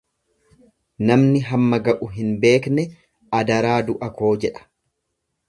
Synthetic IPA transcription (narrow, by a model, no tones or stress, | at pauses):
nɐmnɪɦɐmːɐɡɐʔʊɦɪnbe̞ːknɛ | ɐd̪ɐɾaːd̪ʊʔɐko̞ːd͡ʒɛᶑɐ̥